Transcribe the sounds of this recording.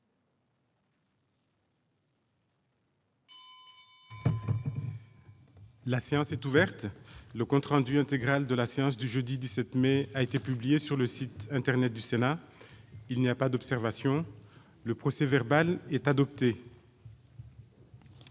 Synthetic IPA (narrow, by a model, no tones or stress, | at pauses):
lasejɑ̃sɛt̪uvɛʁt̪ləkɔ̃t̪χɑ̃d̪yɛ̃t̪eɡʁald̪əlaseɑ̃sd̪yʒød̪id̪isɛt̪meaet̪epyblijesyʁləsit̪ɛ̃t̪ɛʁnɛt̪̚d̪ysena | ilniapad̪ɔpsɛʁvasjɔ̃ | ləpχɔsevɛʁbalɛt̪ad̪ɔp̚t̪e